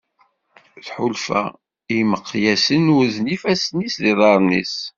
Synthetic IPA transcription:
θħʊlfæ̰ | iməqːjæsənwuðnifæsnisðiðˤɑɾˤnḭs

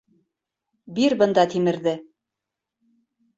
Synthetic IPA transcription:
biɾbɤ̆nd̪ɑt̪imɘ̆ɾðɘ

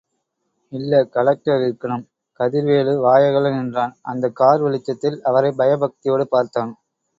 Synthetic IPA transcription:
ɪlːɐkɐɭɐk̚ʈɐɾɪɾɯkːɐɳɯm | kɐðɪɾʋeːɭɯʋaːjɐɣɐɭɯnɛndraːnʔɐ̰nd̪ɐkːaːɾʋɪɭɪt͡ʃːɐt̪ːɪlɐʋɐɾɐɪbɐjɐbɐk̚t̪ɪjoːɽɯpaːɾt̪aːn

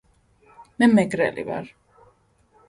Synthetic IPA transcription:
mɛmɛɡɾɛ̰lḭva̰ɾ

